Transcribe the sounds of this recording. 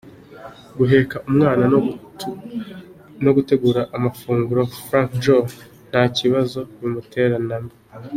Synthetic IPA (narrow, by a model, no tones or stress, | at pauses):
ɡuɦe̞kaʔumŋaːna | no̞ɡute̞ɡuːɾaʔːmafuːŋɡuɾo̞fɾãŋkʒo | n̥haːciβazo̞jumutʰe̞ɾanami